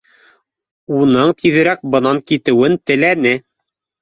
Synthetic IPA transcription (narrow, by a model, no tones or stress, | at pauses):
unɤɴt̪ʰiðɘ̆ɾæk̚bɤ̆nɑŋkit̪ɘ̆wɘnt̪ɘ̆lænɘ